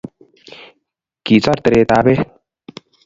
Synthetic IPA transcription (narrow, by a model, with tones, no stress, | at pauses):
ki˨t͡sɔ˦ɾt̪ɾeː˧t̪aː˦be˦